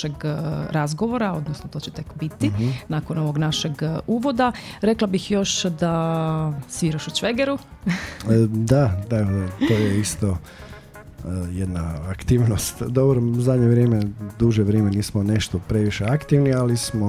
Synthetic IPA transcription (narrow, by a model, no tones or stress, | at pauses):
eɡɾazɡo̞ʋo̞ɾao̞d̪nosnot̪o̞ːt͡ɕet̪e̞kbit̪inako̞no̞ʋo̞ɡnaʃeɡuːʋo̞d̪aɾe̞klˠabixjo̞ʃd̪a | sʋiɾoʃut͡ʃʋeɡeɾu | d̪ad̪at̪ojeist̪o | jed̪naːkt̪iːʋnost̪d̪obɾozad̪ɲeʋɾjeːmed̪uʒeʋɾjemeniːsmoneʃt̪opɾeʋiʃeakt̪iʋnialismo